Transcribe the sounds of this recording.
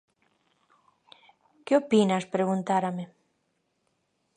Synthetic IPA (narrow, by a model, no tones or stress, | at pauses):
keopinaspɾeɣunt̪aɾame